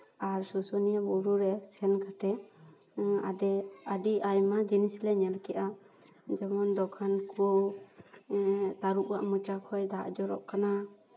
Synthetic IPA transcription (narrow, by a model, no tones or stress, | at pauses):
aɾsusɔniabuɾuɾɛsɛnkat̪ɛ | adɛaɖiʔajmad͡ʒinislɛɲɛlkɛʔa | d͡ʒɛmɔnd̪ɔkʰanko | t̪aɾuʔwaʔmut͡ʃakʰɔjd̪aʔd͡ʒɔɾɔ̰ʔkana